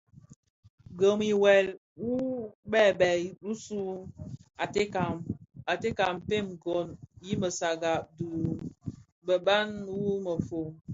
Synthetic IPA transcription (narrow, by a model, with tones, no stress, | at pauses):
ɡə˨mi˨wɛ˨l | wu˦bɛ˦˨bɛ˨ɗu˦su˦ | a˨te˦ka˨ma˨te˦ka˨mpe˦˨mɡo˨nji˦mə˨sa˨ɡa˨du˨ | bə˨ba˦nwu˦mə˨fo˨